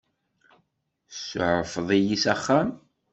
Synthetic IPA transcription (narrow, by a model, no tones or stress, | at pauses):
sʕəfðˤijisæχːæm